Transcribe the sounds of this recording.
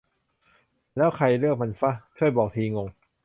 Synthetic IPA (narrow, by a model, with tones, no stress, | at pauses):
lɛː˦˥wkʰa˧jlɯ˥˩ək̚ma˧nfa˦˥˩kʰɯː˥˩jbɔː˨˩k̚t̪ʰiː˧ŋo˧ŋ